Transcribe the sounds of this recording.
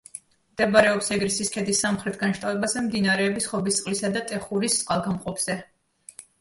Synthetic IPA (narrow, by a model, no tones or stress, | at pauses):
md̪̥ɛbaɾɛɔpsɛɡɾisiskʰɛd̪isːamχɾɛt̪̚ʰɡanʃt̪ʼavɛbazɛmd̪inaɾɛːbisχɔbist̪sʼqʼlisad̪at̪ʼɛχuɾisʼqʼalˠɡamqʼɔpʰz̥ɛ